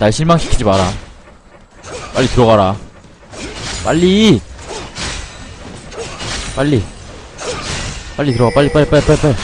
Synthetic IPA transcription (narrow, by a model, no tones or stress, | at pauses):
naɭɕʰiɭmaŋɕʰi̥kʰid͡ʑimaɾa | p͈aʎːitɯɾʌɣaɾa | p͈aʎːi | p͈aʎːi | p͈aʎːitɯɾʌɣap͈aʎːip͈aɭːipaipaipai